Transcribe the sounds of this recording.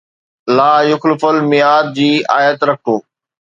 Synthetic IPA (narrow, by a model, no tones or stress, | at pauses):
laːjʊxlɪfəlmɪjaːd̪̚d͡ʑiːaːjət̪ɾɐk̚ʰoː